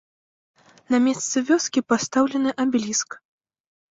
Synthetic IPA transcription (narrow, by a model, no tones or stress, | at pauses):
namʲɛst̪sɨvʲɔskʲipast̪awlʲɛnɨʔabʲlʲisk